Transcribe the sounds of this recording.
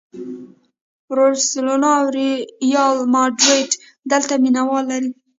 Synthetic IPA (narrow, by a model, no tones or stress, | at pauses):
ɾoslonɑwɾijɑlmɑɖɾeʈ | d̪əlt̪aminawɑlːaɾi